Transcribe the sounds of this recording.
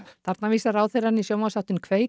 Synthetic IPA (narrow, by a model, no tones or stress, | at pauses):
θaɾt̪naviːsaɾawθejɾanːisjoːwmasawht̪ʏnkʰveːj